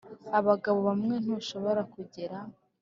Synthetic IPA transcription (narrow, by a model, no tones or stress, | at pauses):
aβaɡaβoβamŋe̞n̥uʃo̞βo̞ɾakuɟeɾa